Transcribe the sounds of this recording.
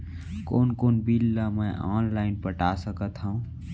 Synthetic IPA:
koːnkoːnbiːlːamɛ̃ʔaːnlaːɪnpəʈaːsəkət̪ɦaũ

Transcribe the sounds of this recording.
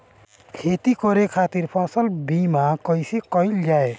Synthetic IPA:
kʰet̪ikɔɾekʰat̪iɾpʰasəlbimakəɪsekɔɪld͡ʒae

